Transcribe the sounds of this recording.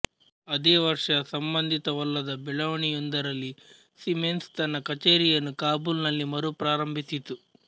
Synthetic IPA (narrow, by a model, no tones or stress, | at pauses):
ɐd̪eːʋɐɾʂɐsɐmbɐnd̪ʱit̪ɐʋɐlːɐd̪ɐbɛlɐʋniund̪ɐɾɐli | simenst̪ɐnɐkɐt͡ʃeːɾijɐnukaːbulnɐnːimɐɾuːpɾaːɾɐmbʱisit̪u